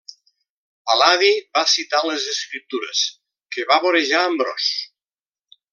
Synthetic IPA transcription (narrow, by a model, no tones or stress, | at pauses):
alaðiβasit̪alezeskɾip̚t̪uɾḛs | kəβaβoɾeʒaəmbɾɔ̰s